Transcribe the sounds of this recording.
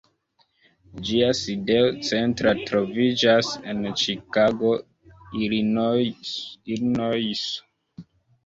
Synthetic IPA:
d͡ʒiaside̞ot͡se̞ntɾatɾo̞vid͡ʒase̞nt͡ʃikaɡo | iɾnojs

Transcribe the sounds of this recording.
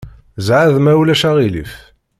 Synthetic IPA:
zʕaðmæwlæʃæʁilḭf

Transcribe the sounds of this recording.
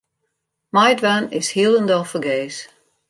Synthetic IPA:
majdʋanɪshiəlˠəndɔlˠfəɡeːs

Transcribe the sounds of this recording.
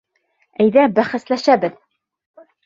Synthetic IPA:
æjðæbæχɘ̆slæʃæbɘð

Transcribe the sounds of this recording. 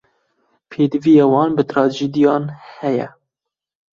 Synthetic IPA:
pʰeːd̪ɨvijeːwɑːnbɨt̪ɾɑːd͡ʒed̪ijɑːnhɛjɛ̰

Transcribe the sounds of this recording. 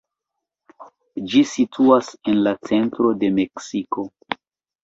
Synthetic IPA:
d͡ʒisitʰuase̞nlat͡se̞ntɾo̞de̞me̞ksiko̞

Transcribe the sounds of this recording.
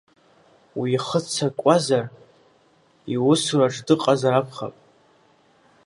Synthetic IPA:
wiχət͡sʰakʷʼazar | iwʊsuraʈ͡ʂʼdɨqʼazaɾakʷʰχa̰pʼ

